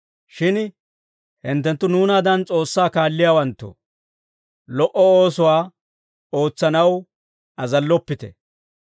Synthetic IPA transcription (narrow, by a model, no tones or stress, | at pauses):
ʃɪn | hɪnt̪ːɛnt̪ːʊnuːnaːd̪ɐnt͡sʼo̞ːsːaːkaːlːɪjaːwɐnt̪ːʊ̰ | lɔʔɔoːsʊwaː | o̞ːt͡sːɐnɐw | ɐzɐlːɔpːɪt̪ɛ